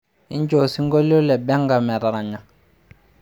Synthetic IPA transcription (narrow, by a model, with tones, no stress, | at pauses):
i˦ɲ˦d͡ʒo˨si˦ŋ˦ɡo˦lo˦lɛ˨bɛ˦ŋ˦ɡa˨mɛ˨ɾa˨ɾa˨ɲa˨